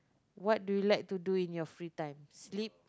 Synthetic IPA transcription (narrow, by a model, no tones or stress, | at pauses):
wɔt̚dujulajk̚tuduĩnjɔfɹitãɪ̃mslip̚